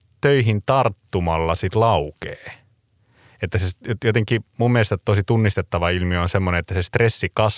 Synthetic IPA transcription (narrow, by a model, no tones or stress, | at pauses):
t̪øiɦint̪ɑrt̪ːumɑlːɑsit̪lɑukeː | et̪ːæsesjojot̪eŋkimummelst̪æt̪osit̪unːist̪et̪ːɑʋɑilmionsemːoneet̪ːæsest̪resːikɑs